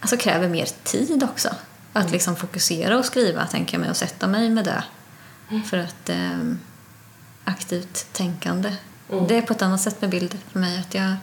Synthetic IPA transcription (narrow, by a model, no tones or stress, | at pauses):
ʔalsɔkʰɾɛ̰ːvəɾmḛːɾt̪ʰiːd̪ɔksɔ̰ | at̪lɪksɔmfʊkɵseːɾaɔskɾiːva̰t̪ʰɛ̰ŋkəja̰mɛ̰jɔsɛt̪ːamɛjmɛd̪ɛ̰ | fœɾat̪ | akt̪ʰiːvt̪ʰːɛŋkand̪ə | d̪ɛːɾpʰɔɛt̪anːat̪sɛt̪ːmɛbɪld̪əfœɾmɛjat̪ʰjɑː